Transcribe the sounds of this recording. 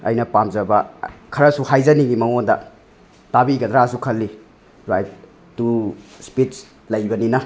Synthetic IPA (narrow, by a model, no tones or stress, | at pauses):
ɐ̰jnɐpamzɐbɐkʰɐɾɐsuhajzɐniɡimɐŋondɐ̰ | tabiɡɐd̪ɾasukʰɐlːi | ɾaj | tuspits | lɐjbɐninɐ